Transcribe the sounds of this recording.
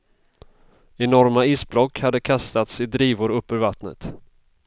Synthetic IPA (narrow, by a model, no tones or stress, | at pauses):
ɛnɔɾmaiːsblɔkːhad̪ːəkʰast̪at̪sɪd̪ɾiːvʊɾɵpːœɾvat̪nə̰t̪